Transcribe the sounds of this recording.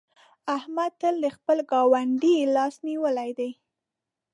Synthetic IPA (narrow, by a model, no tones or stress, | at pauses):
ahmad̪̚t̪əld̪əxpəlɡɑwaɳɖilɑsniwəlajd̪aj